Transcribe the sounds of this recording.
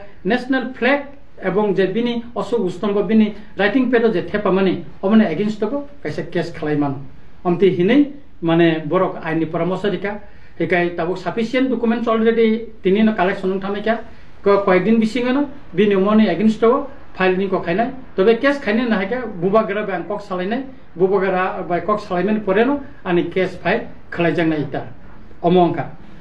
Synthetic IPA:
nesnalpʰlɛk̚ | ɛbɔŋzɛbiniɔsuustɔmbɔbini | ɾajtiŋpedɔzɛtʰɛpamani | ɔbɔnɛeɡinstɔbɔkajsɛkeskʰalajmanɔ | amtiɦinɯj | manɛbɔɾɔkajnipɔɾɔmɔsɔɾika | hɛkajtabɔksapʰisiɛndɔkumentsɔlɾeditininɔkalɛk̚sɔnɔŋtʰamakja | kɔkwajdinbisiŋɔnɔ | binɔmɔniaɡinstɔbɔ | pʰajlnikɔkʰajnaj | tɔbɛkeskʰajnajnaɦakabubaɡɯɾabjaŋkɔksalajnaj | bubaɡɾabajkɔksalajmanpɔɾɛnɔ | anikɛspʰaj | kʰɯlajzaŋnajeta | ɔmɔŋkʰa

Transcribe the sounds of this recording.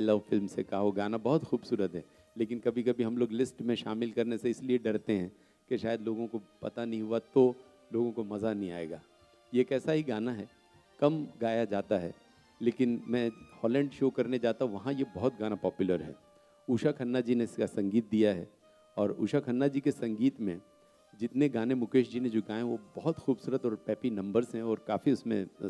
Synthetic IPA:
aɪlɔːʋfɪlmsekaɦoɡaːnabɐɦʊt̪xuːbsuːɾət̪ɦɛː | leːkɪnkɐbʱikɐbʱiɦɐ̃mloːɡlɪsʈmẽʃaːmɪlkɐɾneseɪslieɖɐɾt̪eɦɛ̃ː | keʃaːjəd̪loːɡõkopɐt̪anɐɦĩɦuat̪o | loːɡõkomɐzanɐɦĩa̰ːḛːɡaː | jekɛːsaɦiɡaːnaɦɛ | kɐmɡaːjad͡ʒaːt̪aɦɛ̰ː | leːkɪnmɛ̃ːhɔːlɛ̃ːɳɖʃoːkɐɾned͡ʒaːt̪aɦũʋɐɦãjebɐɦʊt̪̚ɡaːnapɔːpjʊləɾɦɛ̰ː | uːʃakʰɐnːad͡ʒineɪskasɐ̃ŋɡiːt̪̚d̪ijaɦɛ̰ː | ɔːɾṵːʃakʰɐnːad͡ʒiːkesɐ̃ŋɡiːt̪mẽ | d͡ʒɪt̪neɡaːnemʊkeːʃd͡ʒined͡ʒoːɡaːẽɦʋobɔɦʊt̪xuːbsuːɾət̪ɔːɾpɛːpinɐ̃mbəɾzɦɛ̃ɔːɾkaːfiʊsmḛ̃

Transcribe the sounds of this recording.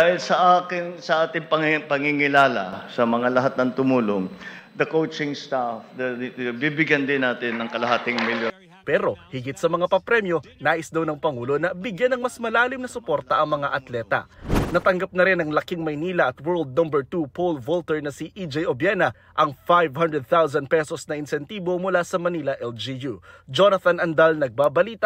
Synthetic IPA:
ahɪlsɐʔaːkɪnsɐʔaːt̪ɪŋpɐŋpɐŋɪŋɪlaːlɐ̰sɐmɐŋalɐɦat̪̚nɐŋt̪ʊmuːloŋd̪ɐkowt͡ʃɪŋst̪afd̪ɐbibɪɡjɐnd̪ɪnːaːt̪ɪnːɐŋkɐlɐɦaːt̪ɪŋmɪljo | pɛːɾo̞hɪɡɪt̪sɐmɐŋapɐpɾɛmjo̞naːʔɪsd̪ɐwnɐŋpɐŋuːlo̞nɐbɪɡjanɐŋmɐsmɐlaːlɪmnɐsʊpo̞ɾt̪ɐʔɐŋmɐŋaʔɐt̪lɛt̪ɐ̰nɐt̪ɐŋɡap̚nɐɾɪnɐŋlɐkiŋmɐjniːlɐʔɐt̪wɛɹld̪̚nɐmbɛɹt̪upolvolt̪ɛɹnɐsiʔid͡ʒɛjobjɛnɐ | ʔɐŋfajvhɐnd̪ɹɛd̪̚θaws̬ɐnd̪̚pɛsosnɐʔɪnsɛnt̪iːbo̞mʊlasɐmɐnilɐʔɛld͡ʒijud͡ʒonɐθɐnɐnd̪ɐlnɐɡ̚baːbɐliːt̪ɐ

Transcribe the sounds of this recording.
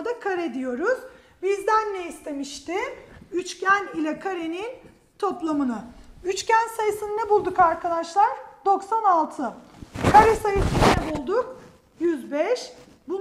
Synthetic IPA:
d̪akʰaɾɛd̪ijo̞ɾuz̥ | bizd̪ænːɛist̪ʰe̞miʃt̪ɪyt͡ʃcʰænilʲɛkʰaɾenin | t̪ʰo̞plˠamɯnɯyt͡ʃcænsajɯsɯnɯnɛbulˠd̪ukaɾkʰad̪aʃlˠaɾd̪o̞ksanalˠt̪ʰɯ | kʰaɾɛsajɯsɯnɯnɛbulˠd̪ʊk | jyzbɛʃ | bu

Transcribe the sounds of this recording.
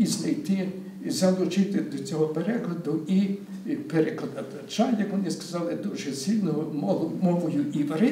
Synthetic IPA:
iznɐjt̪ɪ | zɐlˠʊt͡ʃɪt̪ɪd̪ɔt͡sʲɔɦɔpeɾɛklˠɐd̪ʊi | peɾɛklˠɐd̪ɐt̪ɐt͡ʃɑnjɐkʋɔnɪskɐzɑlˠɪd̪uʒɛsilʲnɔmɔmɔʋɔjʊʔiʋɐɾɪ

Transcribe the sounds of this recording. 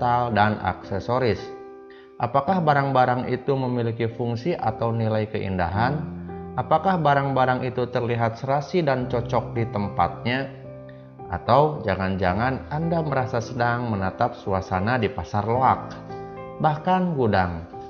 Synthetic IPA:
t̪aldana̰ksesoɾɪs | ʔapakahbaɾaŋbaɾaŋit̪uməmilikifuŋsiʔat̪awnilajkəʔḭnda̰ɦanapakahbaɾaŋbaɾaŋit̪ut̪ərliɦat̪̚səɾasidant͡ʃɔt͡ʃɔk̚dit̪əmpa̰t̪̚ɲa | ʔat̪awd͡ʒaŋand͡ʒaŋanandaməɾasasədaŋmənət̪ap̚suasanadipasarloak̚bahkanɡudaŋ

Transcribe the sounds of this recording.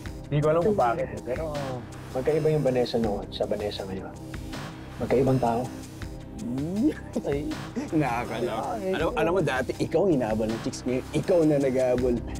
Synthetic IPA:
nd̪iːk̬oʔɐlɐmbaːkɪt̪̚pɛɾo | mɐɡ̚kɐʔɪbajʊŋbɐnɛːsɐnoʔnsɐbɐnɛːsɐŋɐjon | mɐɡkɐʔɪbaŋt̪aːʔo̞ | nɐkakɐlɐɐlɐmʔɐlɐmːod̪aːt̪ɛʔɪkawhɪnaːbolnɐŋt͡ʃɪksŋɐjonɪkawnɐnɐɡaːbol

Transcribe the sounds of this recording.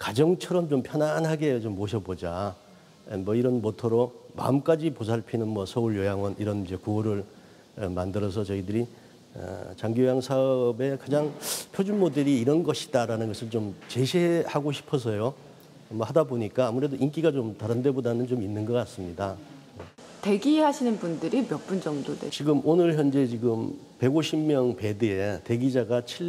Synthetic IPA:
kad͡ʑʌŋt͡ɕʰʌɾʌmt͡ɕompʰjʌnanɦaɡe̞t͡ɕomːoɕʰʌbod͡ʑa | emʌiɾʌnmotʰoɾoma̰ɯmk͈ad͡ʑipos̬ʰaɭpʰinɯnmwʌsʰʌuɭjojaŋwʌniɾʌnd͡ʑe̞kuoɾɯɭ | mandɯɾʌs̬ʰʌt͡ɕʌidɯɾi | ʌ̰t͡ɕaŋɡijojaŋsʰaʌʌbe̞kad͡ʑaŋpʰjod͡ʑunmodeɾiːɾʌnɡʌɕʰi̥daɾanɯnɡʌsʰɯɭt͡ɕomt͡ɕe̞ɕʰiehaɡoɕʰi̥pʰʌs̬ʰʌjo | mʌhadaboɲik͈aːmuɾe̞doʔink̬͈iɡat͡ɕomtaɾɯnde̞bodanɯnt͡ɕominːɯnɡʌk͈as͈ɯmɲida | e | te̞ɡieɦaɕʰinɯnbundɯɾimjʌp͈und͡ʑʌŋdodet͡ɕiɡɯmonɯɭçjʌnd͡ʑe̞t͡ɕiɡɯm | pe̞ɡoɕʰimːjʌŋpe̞dɯete̞ɡid͡ʑaɡat͡ɕʰi

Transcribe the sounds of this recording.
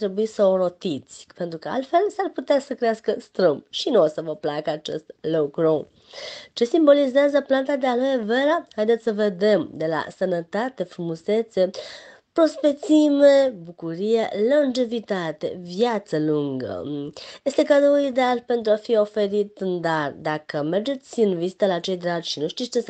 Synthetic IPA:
t̪ɾe̞buisəoɾo̞t̪it̪sʲpe̞nt̪ɾukəa̰lt̪fe̞lsarput̪easəkɾeaskəst̪ɾɨmpʃinuosəvəplakəat͡ʃe̞̰st̪lokɾu | t͡ʃe̞simbo̞lizeazəplant̪ad̪ealojeve̞ɾahajd̪et̪sʲsəve̞d̪e̞md̪e̞la̰sənət̪at̪e̞fɾumuse̞t̪se̞ | pɾo̞spe̞t̪sime̞bukuɾijelənd͡ʒe̞vit̪at̪e̞̰vjat̪səluŋɡə̰je̞st̪e̞kad̪ouid̪ealpe̞nt̪ɾuafio̞fe̞ɾit̪nd̪ard̪akəme̞rd͡ʒe̞t̪sʲɨnvizit̪əlat͡ʃe̞jd̪ɾad͡ʒʃinuʃt̪ist͡ʃe

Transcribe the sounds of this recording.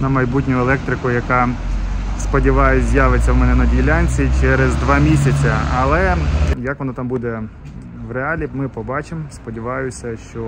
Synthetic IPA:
nɐmɐjbutʲnʲʊɛlˠɛk̚t̪ɾɪkʊjɐkɑ | spɔdʲiʋɑjɛt͡sʲzʲjaʋet͡sʲːɐwmɛnɛnɐdʲilʲanʲt͡sʲit͡ʃɛɾezd̪ʋɑmʲisʲɐt͡sʲɐɐlˠɛjɐkʋɔnɔt̪ɑmbud̪ɛ | ʋreɑlʲimɪpɔbɑt͡ʃemspɔdʲiʋɑjʊsʲɐʃt͡ʃɔ

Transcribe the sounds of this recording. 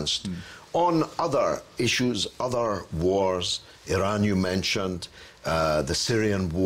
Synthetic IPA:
nstn̩ʌðə˞ɪʃuzʌðə˞wɔɹz | ɪɹãnjɨmɛ̃nʃə̃nd | ðəsiɹiə̃nwɔ

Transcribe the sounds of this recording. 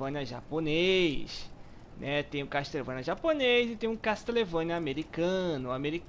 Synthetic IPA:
ɐ̃nɐʒa̰ponejʃ | nʔɛt̪ẽj̃ũkaʃt̪elevɐ̃nɐʒaponejzɪt̪ẽj̃ũkaʃt̪elevɐ̃nɐameɾikɐ̃nʊameɾik

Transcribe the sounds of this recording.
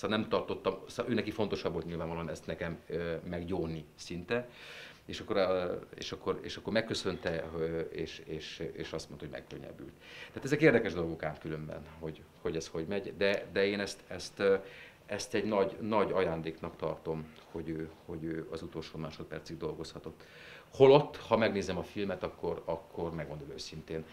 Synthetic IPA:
sanɛmt̪ɒrt̪o̞t̪ːɒmsʔøːnɛkifo̞nt̪o̞ʃɒbːolt̪ɲilvaːɱvɒloɑnɛst̪nɛkɛmøːɛɡɟoːnisint̪ɛ | eːʃɒkːo̞ɾḛːʃɒkːo̞rḛːʃɒkːo̞rmɛkːø̞sø̞nt̪ɛeːʃeːʃḛːʃɒst̪monohoɟmɛ̰kːøɲːɛ̰by̰lt̪t̪ːɛaːt̪ɛzɛkeːrd̪ɛkɛʒd̪o̞lɡo̞kaːt̪kylø̞mbɛ̰nho̞ɟho̞ɟɛsho̞ɟmɛɟd̪ɛd̪ɛeːnɛst̪ɛst̪ | ɛst̪ɛɟnɒɟnɒɟɒjaːnd̪eːknɒkt̪ɒrt̪o̞mho̞ɟøːho̞ɟøːɒzut̪o̞lʃoːmaːʃo̞t̪̚pɛrsiɡ̚d̪o̞lɡo̞shɒt̪o̞t̪ː | ho̞lo̞t̪ːhɒmɛɡneːzɛmɒfilmɛt̪ɒkːo̞rɒkʰːo̞rmɛɡo̞nd̪o̞løːsint̪eːn

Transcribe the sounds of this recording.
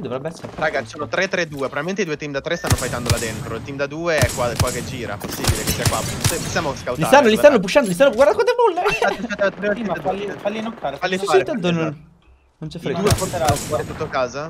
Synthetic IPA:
d̪ovɾɛbːɛsːeɾɾaːɡat͡ʃi̥soːnot̪ɾet̪ːɾed̪uːepɾovaliment̪eid̪uːet̪imd̪at̪ɾest̪anːofajt̪and̪olad̪ent̪ɾoilt̪imd̪ad̪uːeɛkːwakwaked͡ʒiːɾa̰posːḭːbilekesːiakwapseposːjaːmoskawtlist̪anːolist̪anːop̬uʃːand̪olist̪anːoɡwaɾd̪akat̪ebulːeat̪apɾt̪ialːifalːinofaɾfalːisait̪ant̪̬ononn | nont͡ʃɛfɾedd̪uːepot̪eɾaet̪ut̪ːokaːza

